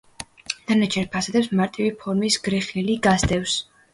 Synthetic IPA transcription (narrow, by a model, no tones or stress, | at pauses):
d̪̥anat͡ʃʰɛɾpʰasad̪ɛpsmaɾt̪ʼivipʰɔɾmisɡɾɛχniliɡasd̪ɛfs